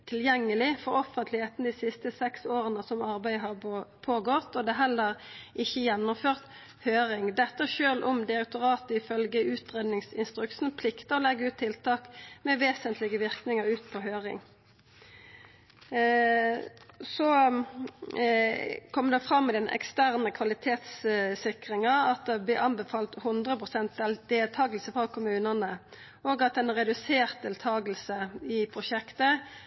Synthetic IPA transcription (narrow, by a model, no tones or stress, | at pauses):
t̪ʰɪljɛŋːəlɪfɔʁɔfənt̪ʰlɪheːt̪nəd̪iːsɪst̪əsɛksoːʁənəsɔmɑʁbæɪɦɑpʰoːɡɔt̪ːɔd̪ɛːɦɛlːəʁɪçːəjɛnːʊmføːʁt̪ | høːɾɪŋd̪ɛt̪ːəʃøːlʔɔmd̪ɪɾɛk̚t̪ʊʁɑːt̪əɪfœlɡəʔʉːt̪ʁeːd̪nɪŋsɪnst̪ʁʉksn̩pʰlɪkt̪əɔlɛɡːəʉːt̪ʰːɪlt̪ʰɑːkmɛʋeːsənt̪lɪɡəʋɪʁknɪŋəʁʉːt̪pʰɔɦøːʁɪ̰ŋ | sɔ | kʰɔmːəd̪ɛfʁɑmːɛd̪ɛnɛ̰kst̪æʁnəkʰʋɑlɪt̪ʰeːt̪ssɪkʁɪŋəɑt̪̚d̪ɛblɪʔɑnbɛfɑːlt̪hʉnd̪ʁəpʁʊsɛnt̪̚d̪ɛld̪̥eːlt̪ʰɑːɡəlsəfʁɑkʰʊmʉːnənə | oːɡɑt̪̚ɛnʁɛd̪ʉseːʁt̪̚d̪eːlt̪ʰɑːɡəlsəɪpʰʁʊʃɛkt̪ə